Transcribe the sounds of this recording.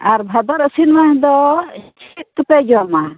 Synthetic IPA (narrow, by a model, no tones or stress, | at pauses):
aɾbʱad̪ɔɾəsinmaɲd̪ɔt͡ʃʰit̪̚k̪əpɛd͡ʒɔama